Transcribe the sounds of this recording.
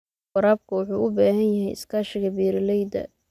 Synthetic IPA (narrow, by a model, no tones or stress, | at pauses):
wɑɾaːb̚kʰɐwʊħuːʔʊbaːɦɐnjɐɦɛjɪ̰skʰaːʃɪɣɐbiːɾɪlɛjd̪ɐ̰